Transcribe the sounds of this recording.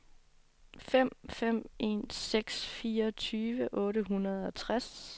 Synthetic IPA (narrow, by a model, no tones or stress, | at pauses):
fem̰fem̰e̝̰ːnseɡ̥sfiːɐt͡sʰyːʋəʔɔ̽ːɾəɦunɐð̞ˠɒ̽t͡sʰʁas